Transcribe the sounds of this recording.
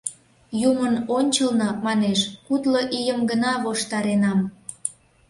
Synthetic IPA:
jumənonʲt͡ɕəlnomɑneʃkut̪loʔijəmɡənɑβoʃt̪ɑɾenɑm

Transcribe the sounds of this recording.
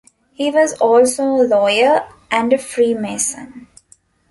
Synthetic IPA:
hiːʋɔzɔːlsoːlɔːɪəɾ | ʔæ̃ɳɖəfɾiːmeːsə̰̃n

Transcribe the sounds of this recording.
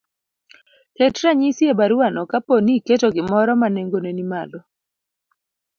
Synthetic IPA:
ketɾaɲisjebaɾuanɔkaponiketoɡɪmɔɾɔmaneŋɡonenimalo

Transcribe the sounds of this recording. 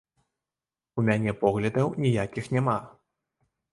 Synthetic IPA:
umʲanʲɛpɔɣlʲɐd̪ɐwnʲijakʲixnʲama

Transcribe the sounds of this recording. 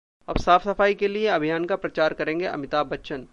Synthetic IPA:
ɐ̰bsaːfsɐfaːikelieɐbʱijaːnkapɾɐt͡ʃaːɾkɐɾẽːŋɡeʔɐ̰mɪt̪aːbɐtːʃən

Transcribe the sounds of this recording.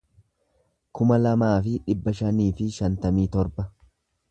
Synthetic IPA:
kʊmɐlɐmaːfɪᶑɪbːɐʃɐniːfɪʃɐnt̪ɐmiːt̪ɔɾbɐ

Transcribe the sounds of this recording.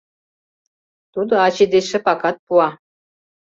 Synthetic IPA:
t̪ud̪oɑt͡ɕed̪eʃə̆pɑkɑt̪̚puɑ

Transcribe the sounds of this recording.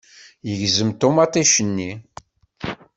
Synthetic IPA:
jəʝzəmt̪omɑt̪ˤiʃənːi

